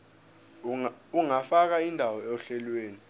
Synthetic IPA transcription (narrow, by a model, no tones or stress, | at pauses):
uŋafak̬aindʱawɔeuɬɛlweːni